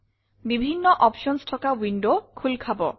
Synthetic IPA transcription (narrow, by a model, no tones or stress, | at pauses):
bibʱinːɔʔɔpʃɔnsʈʰɔkawiɳɖokʰulkʰabɔ̰